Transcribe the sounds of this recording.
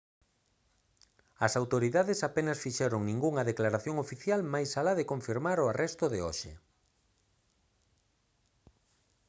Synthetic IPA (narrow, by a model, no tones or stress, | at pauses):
ɐsawt̪oɾiðaðɪsapenɐsfiʃɛɾoŋnĩŋɡuŋɐðeklaɾaθjoŋofiθjalmajsalaðekoɱfiɾmaɾoarɛst̪oðɪo̰ʃḛ